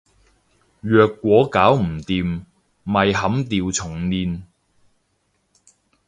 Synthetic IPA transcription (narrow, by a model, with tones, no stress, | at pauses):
jœː˨˧kːʷɔː˨˥kaː˨˥wm̩˨˩t̪iː˨m | mɐ˨jɦɐ˨˥mt̪iː˨˧wt͡sʰʊ˨˩ŋniː˨˧n